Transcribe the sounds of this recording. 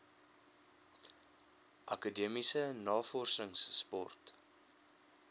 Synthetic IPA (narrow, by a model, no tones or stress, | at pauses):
ʔɐkədiəmisənɑːfɔrsəŋsːpɔ̰rt